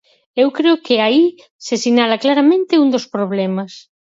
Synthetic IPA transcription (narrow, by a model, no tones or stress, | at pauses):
ewkɾeokeai | sesiɲalaklaɾamẽnt̪ɪund̪ospɾoβ̞lɛmas